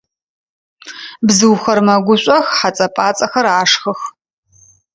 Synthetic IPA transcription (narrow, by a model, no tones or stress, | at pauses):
bzɨwxɐrmɐɡʷʊɕʷʼɐxħat͡sʼɐpʼaːt͡sʼɐxɐɾaːʂxɨx